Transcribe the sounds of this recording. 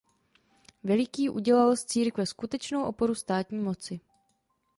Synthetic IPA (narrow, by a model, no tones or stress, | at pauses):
vɛlɪkiːʔuɟɛlalst͡siːɾkvɛskut̪ɛt͡ʃnowʔo̞po̞ɾust̪aːt̪ɲiːmo̞t͡sɪ